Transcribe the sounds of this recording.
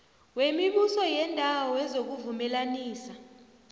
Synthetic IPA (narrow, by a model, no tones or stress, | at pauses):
wemiɓusɔjɛndʱawɔɛzok̬uvumɛlaniːsa